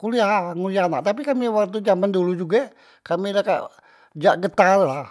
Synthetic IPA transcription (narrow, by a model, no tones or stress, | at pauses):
kuliaŋulianaʔt̪ap̬ikamiwakt̪ud͡ʒamandulud͡ʒuɡa | kamilaka̰ʔ | d͡ʒaʔɡət̪alːah